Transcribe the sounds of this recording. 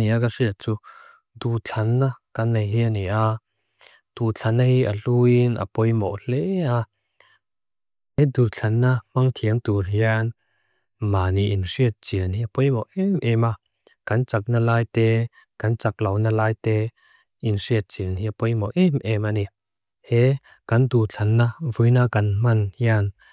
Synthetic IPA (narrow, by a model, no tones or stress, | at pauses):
niakasiət̚t͡su | d̪ut͡ɬʰanːakanːejɦianiʔa | t̪ut͡ɬʰanːahiʔaluinʔa̰pɔjmɔ̰ʔl̥ɛa | ɛd̪ut͡ɬʰɐnːamaŋt̪ʰiəŋt̪uɦian | maːniʔinsiət̪̚t͡siəniapɔjmɔʔɛmʔɛma | kɐnt͡sak̚nalaːjt̪ɛ | kɐnt͡sak̚lɐwnalaːjt̪ɛ | insiət̪̚t͡siənhiapɔjmɔʔɛmʔɛmani | hɛ | kɐndut͡ɬʰɐnːavujnakɐnmɐnhian